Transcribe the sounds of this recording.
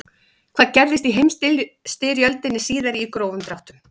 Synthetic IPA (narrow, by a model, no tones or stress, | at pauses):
kʰvaːðcɛɾðɪst̪iɦejmst̪ɪst̪ɪɾjœlt̪ɪnːɪsiːðaɾikɾoːwvʏmt̪ɾawht̪ʏm